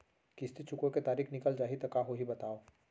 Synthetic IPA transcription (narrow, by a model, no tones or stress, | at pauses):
kɪst̪it͡ʃʰʊkõket̪aːɾiːxnɪkəld͡ʒaːɦit̪ɐkaɦoɦibɐt̪aːoː